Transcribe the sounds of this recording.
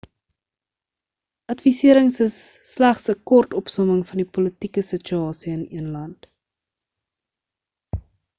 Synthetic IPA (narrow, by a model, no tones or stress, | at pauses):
ʔɐtfisiəɾəŋsəsːlæχsəkɔrtɔpsɔməŋfɐndipolətikəsət͡ʃyɑːsiənḭənlɐnt